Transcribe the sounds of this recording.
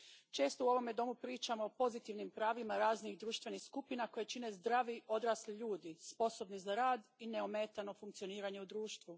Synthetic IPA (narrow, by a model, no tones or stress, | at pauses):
t͡ʃe̞ːst̪ouo̞ʋo̞me̞d̪o̞mupɾiːt͡ʃamo̞opo̞zit̪iʋnimpɾaːʋimaɾaːznixd̪ɾuːʃt̪vʋe̞nixskupinako̞jet͡ʃine̞zd̪ɾaʋio̞d̪ɾaːsliʎuːd̪ispo̞so̞bnizaɾaːd̪ineomeːt̪ano̞fuŋk̚t̪sio̞niːɾaɲe̞ud̪ɾuːʃt̪ʋu